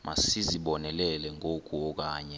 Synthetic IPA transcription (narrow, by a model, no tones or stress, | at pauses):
mʔa̰siziɓɔnɛlɛlɛŋʱok̬ʼuɔk̬aːɲɛ